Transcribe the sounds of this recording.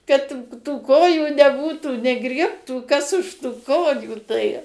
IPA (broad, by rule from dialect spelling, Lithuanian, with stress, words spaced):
kɐt tuː ˈkoːjuː nʲɛˈbuːtuː nʲɛˈɡrʲiɛptuː kɐs ʊʃ tʊ ˈkoːjuː tɐɪ